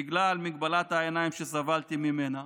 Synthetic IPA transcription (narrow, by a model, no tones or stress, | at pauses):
iɡlalmiɡbalat̪haenaimʃesavalt̪imime̞na